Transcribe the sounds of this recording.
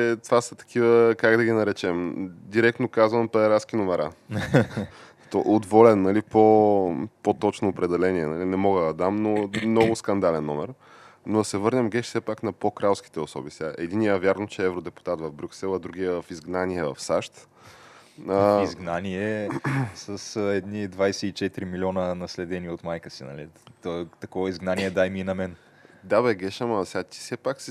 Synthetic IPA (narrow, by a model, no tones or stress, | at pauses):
ɛt̪ovasə̥t̪ɐ̥k̟ʰivəkaɡd̪ɐɡʲinɐɾɛt͡ʃɛmd̪iɾɛkt̪nokazvɐmpɛɛɾaskinomɛɾa | t̪ɔʔod̪vɔlɛnːɐlipo | pot̪ɔt͡ʃnoːpɾɛd̪ɛlɛniɛnɐlinɛmɔɡəd̪ɐd̪amnomnɔɡʊskɐnd̪alɛnːɔmɛ̰ɾ | noɐsɛvɤɾnʲɐmɡɛʃt̪sɛpaknɐpokɾalˠsk̟i̥t̪ɛosɔ̰bisɛaʔɛd̪iniəvʲjaɾnot͡ʃɛɛvɾod̪ɛpu̥t̪at̪vɐvbɾʲuksɛlˠɐd̪ɾuɡijəvfizɡnaniɛvɐ̰fsaʃt̪ | əizɡnaniɛ | səsɛd̪nid̪vajsɛit͡ʃɛt̪ɾimilʲiɔnənɐslɛd̪ɛniot̪majkəsinɐ̰lit̪ɔt̪ɐkɔvɐizɡnaniɛd̪ajmiːnɐmɛn | d̪abɛɡɛʃəmɐsɛat̪i̥sɛpaksɛ